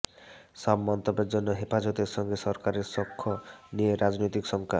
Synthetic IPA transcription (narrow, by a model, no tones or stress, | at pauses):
sabmɔnt̪ɔbeɾd͡ʒɔnːɔɦepad͡ʒɔt̪eɾsɔŋɡesɔɾkaɾeɾsɔkʰːɔnieɾad͡ʒnojt̪iksɔŋka